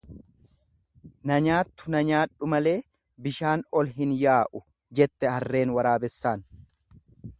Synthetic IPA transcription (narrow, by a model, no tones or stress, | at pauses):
nɐɲaːt̪ːʊnɐɲaːᶑːʊmɐle̞ː | bɪʃaːnɔlɦɪnjaːʔʊ | d͡ʒɛt̪ːɛhɐrːe̞ːnwɐɾaːbɛsːaːn